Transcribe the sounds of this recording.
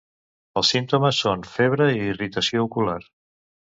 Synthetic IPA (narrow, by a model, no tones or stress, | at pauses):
əlˠsint̪uməsonfeβ̞ɾəiːrit̪əsioukulaɾ